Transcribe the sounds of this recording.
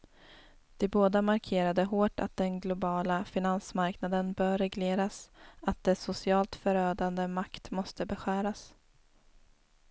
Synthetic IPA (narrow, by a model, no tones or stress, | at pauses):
d̪̥ɛboːd̪amaɾkʰeːɾad̪əɦoːʈa̰t̪̚d̪ɛnɡlʊbɑːlafɪnansmaɾknad̪ənbœːɾɛɡleːɾasat̪̚d̪ɛsʊsɪɑːlt̪fœɾøːd̪and̪əmakt̪mɔst̪əbɛɧæːɾas